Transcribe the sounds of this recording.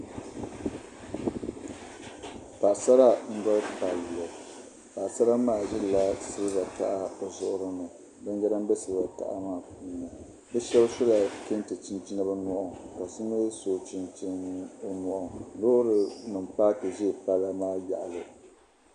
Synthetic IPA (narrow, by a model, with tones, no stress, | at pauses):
pa˨ʔsa˦ɾa˦ŋ̩˦ɡɔ˦lpa˨llo˨ | pa˨ʔsa˦ɾa˦maː˦˨ʒɛ˦lla˦sɨ˦lɨ˦ba˨ta˨ʔa˦o˨zʊ˦ʔʊ˦ɾɨ˦nɨ˨ | ba˦n˦ɡɛ˦ɾa˦m˦bɛ˦sɨ˦lɨ˦ba˨ta̰˨ʔa̰˦maː˦˨puː˦nɨ˨ | bɛ˦ʃɛ˦bʃʊ˦la˨ke˦ntɨ˨t͡ʃi˦nt͡ʃi˦na˦bɨ˦nɔ˦ʔɔ˨ka˨sɨ˦nɛ˦soː˨t͡ʃi˦nt͡ʃi˦o˦nɔ˦˨ʔɔ˨loː˦ɾɨ˨nɨ˨mpaː˦tɨ˨ʒɛ˦˨pa˦la˦maː˦ja̰˨ʔa˨lɨ˨